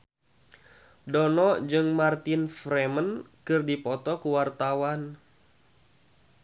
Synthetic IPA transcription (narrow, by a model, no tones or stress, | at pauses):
dɔnɔʔd͡ʒɨŋmart̪ɪnfɾɛmənkɨrdipɔt̪ɔkuwart̪awan